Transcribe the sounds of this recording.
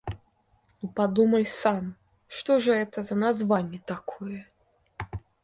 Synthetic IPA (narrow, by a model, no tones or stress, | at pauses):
nupad̪umɐlʲsam | ʂt̪ɔʐɐɛt̪ɐzɐnazvanʲːɛt̪akʰɔjɛ